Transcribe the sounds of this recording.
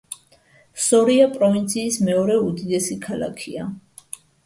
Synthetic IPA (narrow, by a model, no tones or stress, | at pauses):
sɔɾiapʼɾɔvint̪sʰiːsmɛɔɾɛud̪id̪ɛsikʰala̰kʰia